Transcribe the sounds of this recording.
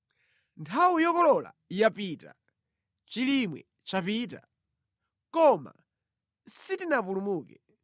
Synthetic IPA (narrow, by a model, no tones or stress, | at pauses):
ntʰawujɔkɔlɔla̰ | japita̰ | t͡ʃilimwɛ̰ | t͡ʃapiːta | kɔma̰ | sitinapulumuːkɛ